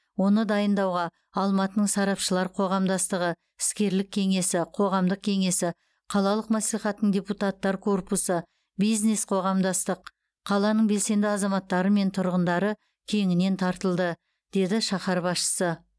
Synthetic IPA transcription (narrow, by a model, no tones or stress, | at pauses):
wo̞nəd̪ɑjənd̪ɑwʁɑ | ɑlˠmɑt̪ənəɴsɑɾɑpʃəlˠɑɾqʰo̞ʁɑmd̪ɑst̪əʁə | ɪskʲe̞ɾlɪk̚ʲʰːe̞ŋe̞sɪqʰo̞ʁɑmd̪əq̚kʲʰe̞ŋe̞sɪ | qʰɑlˠɑlˠəqmɑsliχɑt̪əːəɴdʲe̞put̪ɑt̪ːɑɾkʰo̞rpusə | bizne̞sqʰo̞ʁɑmd̪ɑst̪əq | qʰːɑlˠɑnəɴbe̞lse̞nd̪ɪɑzɑmɑt̪ːɑɾəme̞nt̪ʰʊɾʁənd̪ɑɾə | kʲʰe̞ŋɪne̞nt̪ʰɑɾt̪əlˠd̪ə | d̪̥e̞d̪ɪʃɑχɑɾbɑsʃə̥sə